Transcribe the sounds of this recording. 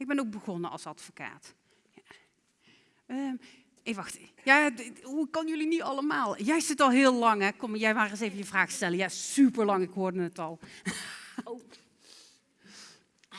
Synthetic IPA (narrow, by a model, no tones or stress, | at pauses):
ɪɡ̚bɛnowkɡ̚bəɣɔnəɑ̰lˠsɑtfoka̰ːt | ja | ə | eʋɑxtjaːɦukɔnəjɵlinitɑləmaːlˠjɛjsɪtɑlˠɦɪːlˠlɑŋɦɛkɔmjɛjʋaːrəəsejvənjəvraːxstɛləjasypəɹlɑŋɪkɦoːɹdənətɑlˠ